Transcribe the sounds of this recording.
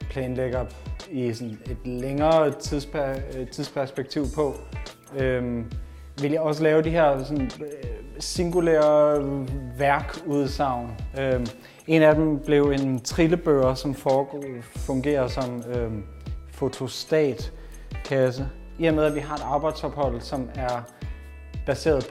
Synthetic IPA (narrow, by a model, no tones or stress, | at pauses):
pʰlɛːnleɡ̥ɐisɔne̝d̥leŋɐːt͡sʰið̰ˠspʰæt͡sʰiðˠspʰæɐsb̥eɡ̥̚t͡sʰiʊ̰pʰɒ̽ | øm | ʋe̝ljɑ̈ɪɒ̽s̬əlɛːʊd̥iɦeɐ̰sɒ̽n | siŋɡ̥ulḛɐ | ʋæɐɡ̥uð̞ˠsɑ̈ʊ̰nø | e̝næd̥emb̥le̝ʊe̝nt͡sʰʁiləb̥øːʊɐsɒ̽mfɒːɡfɔ̽ŋɡ̥e̝̰ːɐðˠsɒ̽mø | fo̝t͡sʰo̝sd̥ɛ̰ːd̥ | kʰæsə | iɐmeðˠæʋiɦɑ̈e̝d̥ɑ̈ːb̥ɑ̈ɪ̰d̥shɒ̽b̥hɒ̽l̰̥sɒ̽mæɐ | b̥æse̝̰ːɐðˠ